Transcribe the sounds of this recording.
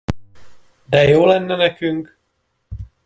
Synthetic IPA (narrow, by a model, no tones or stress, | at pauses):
d̪ɛjoːlɛnːɛnɛkyŋk